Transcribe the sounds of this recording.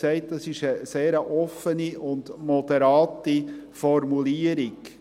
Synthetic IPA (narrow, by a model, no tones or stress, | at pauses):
sɛɪt̚d̥ɑsɪʃəseːɾəʔɔfəniʔʊndmɔdɛɾɑːtifɔɾmuliəɾɪɡ